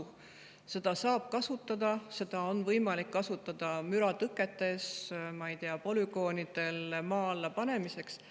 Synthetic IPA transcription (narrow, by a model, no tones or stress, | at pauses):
se̞d̪̥ɑsɑːb̥̚kɑsut̪ːˑɑd̪ɑse̞d̪̥ɑo̞nvɤjmɑlikːɑsut̪ːˑɑd̪̥ɑmyɾɑt̪ɯkːˑe̞t̪ːˑe̞smɑijt̪eɑpo̞lyɡo̞ːnid̪̥e̞lmɑːlːepɑne̞mise̞ks